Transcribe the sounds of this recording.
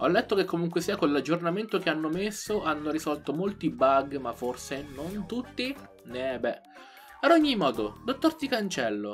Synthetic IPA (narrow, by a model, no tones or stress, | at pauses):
ɔlːɛt̪ːokekːomuŋkwesiːakolːad͡ʒːornament̪ok̟eanːomesːoʔanːoɾisɔlt̪omolt̪ibaɡmafːorsenont̪ut̪ːi | nebɛ | ad̪oɲːimːɔːd̪od̪ot̪ːort̪ikant͡ʃɛlːo̰